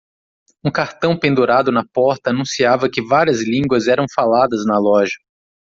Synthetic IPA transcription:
ũkaɾt̪ɐ̃w̃pẽnd̪uɾad̪ʊnɐpɔɾt̪ɐːnũsiavɐkɪvaɾiɐzlĩŋɡwɐzɛɾɐ̃w̃falad̪ɐznɐlɔʒɐ

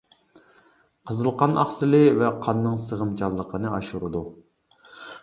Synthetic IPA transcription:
qʰəzɨlˠqʰɑnʔɑ̰χsɨlˠɨvɛqʰɑnːɨŋsəʁəmt͡ʃʰɑlˠːəqʰənɨʔɑʃuɾɨd̪u

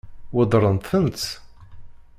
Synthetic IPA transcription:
wəd̪ˤɾˤənt̪ənt͡s

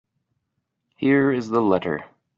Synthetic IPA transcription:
hiɹɪzðəlɛɾə̰˞

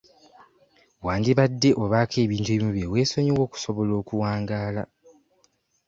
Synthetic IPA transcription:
waːndiβadːe̞ʔo̞βaːkʰe̞ːβiːntueβimuβjewe̞ːso̞ɲiwo̞ːku̥so̞βo̞lo̞ːkuwaːŋɡaːla̰

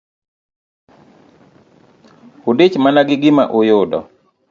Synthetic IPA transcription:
ʊdɪt͡ʃmanaɡɪɡɪmaʔʊjʊdɔ̰

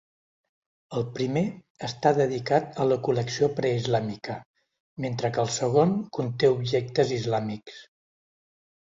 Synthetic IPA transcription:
əlˠpɾime | əst̪aðəðikat̪ələkuləksiopɾəizlamikə | ment̪ɾəkəlˠsəɣ̞onkunt̪eubʒɛk̚t̪əzizlamiks

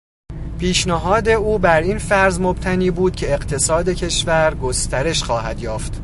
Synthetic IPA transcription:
pʰiːʃnæɦɒːd̪e̞uːbæɾinfæɾzmob̥t̪ʰæniːbuːd̪̥̚cʰe̞eɢt̪ʰe̞sɒːd̪e̞cʰe̞ʃvæɾɡo̞st̪æɾe̞ʃxɒːhæd̪jɒːft̪

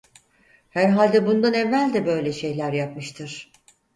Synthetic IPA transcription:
hæɾɦalʲd̪ɛbund̪anevːælʲd̪ɛbø̞jlʲɛʃe̞jlʲæɾjap̚mɯʃt̪ʰɯɾ̥

